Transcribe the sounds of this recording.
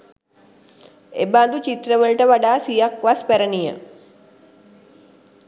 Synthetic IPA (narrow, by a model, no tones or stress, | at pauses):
ebaːnd̪ut͡ʃit̪ɾəʋəɭʈəʋɐɖaːsijakʋaspɛɾənijə̰